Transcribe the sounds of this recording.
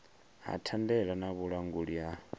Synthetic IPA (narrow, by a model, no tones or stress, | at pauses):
ɦa̰tʰandɛɺanaβuɺaŋɡuɺia